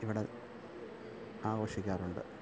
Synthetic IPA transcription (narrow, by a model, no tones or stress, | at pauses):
iʋiɽe | aːɣoːʂikʲːaːruɳɖɨ̰